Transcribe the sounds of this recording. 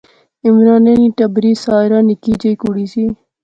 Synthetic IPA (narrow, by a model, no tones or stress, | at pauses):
ɪmɾɑːneniʈɐbɾisaːɾɑːnikit͡ʃekuɽiːsi